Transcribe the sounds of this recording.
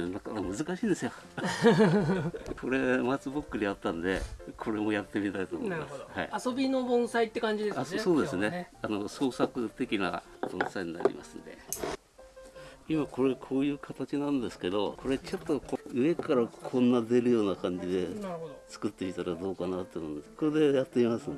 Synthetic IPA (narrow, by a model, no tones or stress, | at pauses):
nakaamɯ̟zɨkaɕiːnd̪e̞sɨjo | koɾe̞mat͡sɨbɯkːɯ̟ɾʲiat̪ːãnd̪e̞̰kʰo̞ɾe̞mo̞jat̪ːe̞mʲit̪ait̪oːmo̰imasɨ̥ha̰ḭaso̞bʲino̞bõ̞ɰ̃sait̪ːe̞kãɲd͡ʑid̪esasoso̞ːd̪e̞sɨne̞ano̞so̞ːsakɯt̪e̞kʲina̰ | b̥õ̞saiɲ̟ina̰ɾʲḭma̰sɨ̰̃nd̪e̞̰ | imako̞ɾe̞kʰo̞ːjɯ̟ːkʰat̪at͡ɕinãnd̪e̞sɨ̥ke̞d̪o̞kʰo̞ɾe̞t͡ɕo̞t̪ːo̞koɯ̟e̞kaɾakʰõ̞nːad̪e̞ɾɯ̟jo̞ːnakãɲ̟d͡ʑid̪e̞t͡sɨ̥kɯ̟t̪ːe̞mʲit̪aɾad̪o̞ːkanat̪ːomond̪eskood̪e̞jat̪ːe̞imasɨn